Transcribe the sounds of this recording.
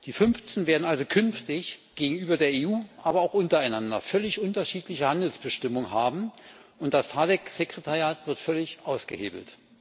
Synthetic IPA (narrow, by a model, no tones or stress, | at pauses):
d̥iːfʏnft͡snveːɐdn̩alzokʰʏnftɪçɡ̥eːɡŋ̩yːbɐdeːɐeːuːʔaːbɐaʊxʔʊntɐaɪnandɐ̰fœlɪçʔʊntɐʃiːtlɪçəhandl̩sb̥əʃtɪmʊŋənɦaːbm̩ʊnt̚d̥astʰaːdɛkz̥ekʁ̥etʰaʁjaːtv̥ɪɐtfœlɪçʔaʊsɡ̥ə̰hḛːbl̩t